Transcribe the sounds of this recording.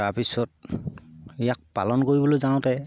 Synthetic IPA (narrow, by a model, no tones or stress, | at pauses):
apisɔt̚ | ijak̚pa̰lɔnkoɹibɔlojzaw̃tɛ